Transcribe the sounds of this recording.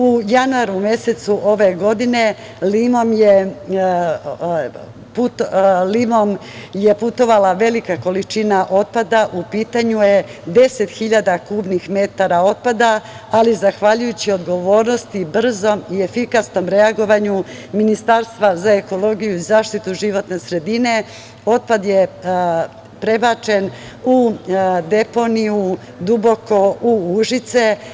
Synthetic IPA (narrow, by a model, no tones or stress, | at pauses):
ujanuaɾumje̞se̞t̪suʔo̞ʋe̞ɡo̞d̪ine̞ | limo̞mje | put̪limo̞mje̞put̪o̞ʋalaʋe̞likako̞lit͡ʃinaʔo̞t̪̚pad̪aʔupiːt̪aɲuje̞d̪e̞se̞t̪xiʎad̪akuːbnixme̞t̪aɾao̞t̪̚pad̪aː | lizaxʋaʎujut͡ɕio̞d̪ɡo̞ʋo̞ːɾno̞st̪ibr̩zo̞mie̞fikasno̞mɾe̞aɡo̞ʋaɲu | minist̪aɾst̪ʋazae̞ko̞lo̞ɡijuizaːʃt̪it̪uʒiʋo̞t̪ne̞sɾe̞d̪ine̞ | o̞t̪̚pad̪je̞ | pɾe̞bat͡ʃe̞n | ud̪e̞po̞niju | d̪ubo̞ko̞uuʒit̪se̞